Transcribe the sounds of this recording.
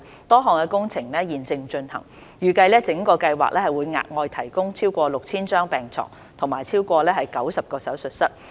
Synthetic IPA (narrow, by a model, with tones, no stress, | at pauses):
t̪ɔː˥ɦɔː˨˩ŋkɛː˧kʊ˥ŋt͡sʰɪ˨˩ŋlɛː˥jiː˨˩nt͡sɪ˧ŋt͡ʃɵ˧nhɐ̰˨˩ŋ | jyː˨kɐ˧jlɛː˥t͡sɪ˨˥ŋkɔː˧kɐ˧jwa̰ː˨˩k̚lɛː˥hɐ˨˩jwuː˨˧jŋa̰ː˨˩k̚ŋɔː˧jt̪ʰɐ˨˩jkʊ˥ŋt͡sʰiː˥wkʷɔː˧lʊ˨k̚t͡sʰiː˥nt͡ʃœː˥ŋpɛː˨˩ŋt͡sʰɔ̰ː˨˩ŋ | t̪ʰʊ˨˩ŋmaː˨jt͡sʰiː˥wkʷɔː˧lɛː˥ɦɐ˨˦jkɐ˨˥wsɐ˨p̚kɔː˧sɐ˨˥wsɵ˨t̚sɐ˥t̚